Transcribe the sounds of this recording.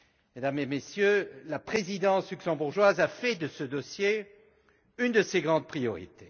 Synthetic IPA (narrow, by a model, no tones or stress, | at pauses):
med̪amemesjølapχezid̪ɑ̃slyksɑ̃buʁʒwazafɛd̪əsəd̪ɔsje | ynd̪əseɡʁɑ̃d̪̚pχijɔʁḭt̪e